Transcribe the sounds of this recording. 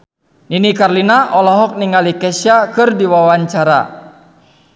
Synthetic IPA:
ninikarlinaʔɔlɔɦɔk̚niŋalikɛsjakɨrdiwawaɲt͡ʃaɾa̰

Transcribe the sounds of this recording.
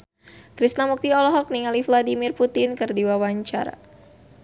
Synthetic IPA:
kɾist̪namuk̚t̪iɔlɔɦɔk̚niŋalifladimirput̪ɪnkɨrdiwawaɲt͡ʃa̰ɾa̰

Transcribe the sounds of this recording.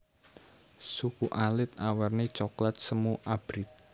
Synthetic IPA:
sukuʔalɪt̪̚awɛrnit͡ʃɔklat̪̚səmuʔab̥ɾit̪̚

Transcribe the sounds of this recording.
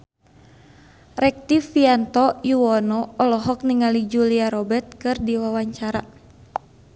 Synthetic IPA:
rɛk̚t̪ifiant̪ɔjuwɔnɔːlɔɦɔk̚niŋalid͡ʒuliaɾɔbɛrt̪̚kɨrdiwawaɲt͡ʃaɾa

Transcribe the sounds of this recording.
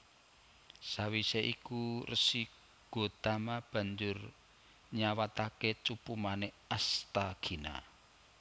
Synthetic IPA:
sawiseʔikurəsi | ɡ̥o̤t̪amab̥a̤ɲd͡ʒʊr | ɲawat̪aket͡ʃupumane | ast̪aɡ̥i̤na̰

